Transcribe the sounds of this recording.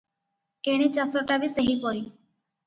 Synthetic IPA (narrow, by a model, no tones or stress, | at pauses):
eɽ̃it͡ʃasɾɔʈabiseɦipɔɾi